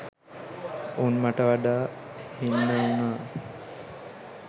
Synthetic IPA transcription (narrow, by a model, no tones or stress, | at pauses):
oːnmaʈəʋaɖaː | hinːəunaː